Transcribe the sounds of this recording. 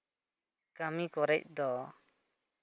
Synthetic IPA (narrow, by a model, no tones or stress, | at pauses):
kamikɔɾɛc̚d̪ɔ